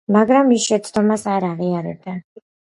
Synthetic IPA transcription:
maɡɾamːisʃɛt̪sʰd̪ɔmasaɾaʁiaɾɛ̰b̪a

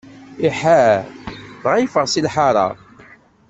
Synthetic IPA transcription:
iħæ | ðʁijfəʁsilħaɾˤɑ̰

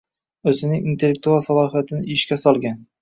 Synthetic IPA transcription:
ɵzɪnɪŋint̪ʰe̞lːek̚t̪ualˠsalˠɒɦijat̪ʰɪnɪʔɪʃkʲasɒlˠɡʲan

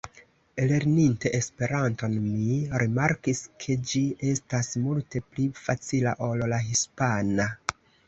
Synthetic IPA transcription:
ele̞ɾninte̞ʔespe̞ɾanto̞nmiɾimaɾkiskʰe̞d͡ʒie̞stasmulte̞plifat͡sila̰ʔollaɦispana

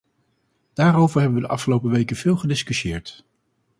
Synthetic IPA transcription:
d̥aːɾowvəɹɦɛbənʋədəʔɑ̰fχəlowpəʋejkəv̥ɪːlˠχədɪskyʃjɪːɹt

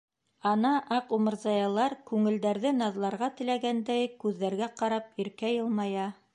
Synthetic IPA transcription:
ɑnɑʔɑqumɤ̆ɾzɑjɑlˠɑɾkʉŋɘ̆ld̪æɾðɘnɑðlˠɑɾʁɑt̪ɘ̆læɡænd̪æjkʉðːæɾɡæqɑɾɑp̚iɾkæjɤlˠmɑjɑ

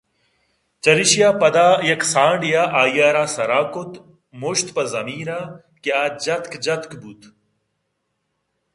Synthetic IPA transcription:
t͡ʃɐɾiɕijaːpɐd̪aːjɐksãːɳɖjaːʔaːjaːɾaːsɐɾaːkʊt̪ | moʃt̪pɐzɐmiːnaː | kjaːd͡ʒɐt̪kd͡ʑɐt̪kbut̪

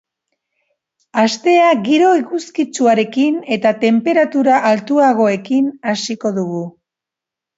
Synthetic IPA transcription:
ast̪e̞aɣiɾo̞ikuskit͡suaɾe̞kine̞t̪at̪e̞mpe̞ɾat̪uɾaʔalt̪uaɣ̞o̞e̞kinasiko̞ðuɣu

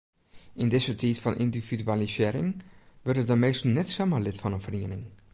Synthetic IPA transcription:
ʔɪndɪzətʰitfɔnʔḭndifidyalisɪːɾɪ̰ŋʋørtətdəmeːstəl̩ˠnɛtsaməlɪtfɔnənfriənɪŋ

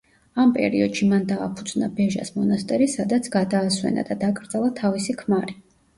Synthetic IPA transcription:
ampʼɛ̰ɾiɔd̪̥ʃimand̪a̰ːpʰud̪znabɛʒa̰smɔnast̪ʼɛɾisad̪at̪sʰɡad̪aːswɛ̰na̰d̪ad̪akʼɾd̪zalˠat̪ʰavisikʰmaɾi

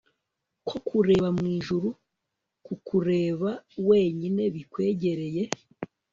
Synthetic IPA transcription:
kʰo̞kʰuɾe̞ːβamŋiːʒuɾu | kukuɾe̞ːβawe̞ːɲine̞βikwe̞ːɟe̞ɾe̞je̞

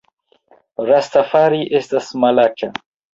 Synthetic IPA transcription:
ɾastafaɾiʔestasmalat͡ʃa

